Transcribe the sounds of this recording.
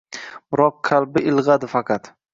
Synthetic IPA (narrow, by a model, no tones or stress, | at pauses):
bɾɒqːʰalˠbɪɪlˠʁad̪ɪfɑqʰɑt̪